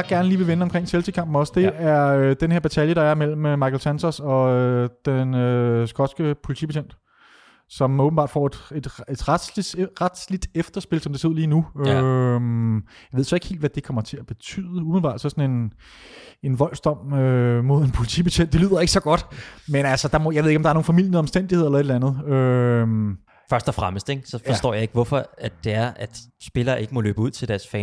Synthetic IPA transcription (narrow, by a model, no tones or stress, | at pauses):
jɑɡ̥æɐnəliːʋe̝ʋenəɒ̽mkʰʁeŋ̰selsʰikʰɑ̈m̰b̥m̩ɒ̽sd̥e̝æɐød̥enhe̝ɐ̰b̥æt͡sʰæljəɾɑ̈æɐmel̰m̩ømɑ̈ɪkʰelsænsɐsɒ̽ød̥enøsɡ̥ɒ̽d̥sɡ̥əpʰo̝lit͡sʰḭpʰæɕʰen̰d̥ | sɒ̽mɔːb̥n̩bɑ̰̈ːd̥fɒ̰d̥e̝d̥ed̥ʁad̥ʁad̥slid̥efd̥ɐsb̥e̝lsɒ̽md̥ese̝ð̰ˠliːnuømjɑɪʋe̝sɒ̽e̝ɡ̥hḛːld̥ʋæd̥e̝kʰɒ̽mɐt͡sʰe̝æb̥e̝t͡sʰy̰ːðˠəumeð̩ˠbɑ̰̈ːd̥sɒsɒ̽ne̝n | e̝nʋɒ̽l̰sd̥ɒ̽m̰ømo̝ð̞̰ˠenpʰo̝lit͡sʰḭːb̥eɕʰen̰d̥e̝ly̰ð̰ˠɐe̝ɡ̥əsɒ̽ɡ̥ɒ̽d̥menælsɒd̥ɑ̈mɔ̽jɑʋe̝ðˠeɡɒm̥dɑ̈ɐnoːn̩fæmil̰jənəɒ̽msd̥en̰d̥ihe̝ð̞̰ˠelɐe̝ɾe̥ænð̩ˠøm | fɶɐsd̥ɒfʁaməsd̥eɡ̥sɒ̽fɒsd̥ɔ̰ːjɑ̈e̝ɡ̥əʋɒfɒ̽æd̥d̥e̝æɐʔæd̥sb̥e̝lɐːʔe̝ɡ̥əmɒ̽lø̰ːb̥əuð̰ˠt͡sʰe̝d̥æɐsfɛːn